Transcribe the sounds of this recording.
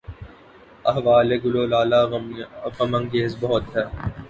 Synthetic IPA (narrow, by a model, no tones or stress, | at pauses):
ɐɦʋaːleɡʊloːlaːla | ɣɐmɐ̃ŋɡeːzbɔɦʊt̪ɦɛː